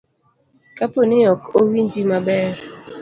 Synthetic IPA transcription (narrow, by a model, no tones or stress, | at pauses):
kʼaponejɔkowind͡ʒimabɛːɾ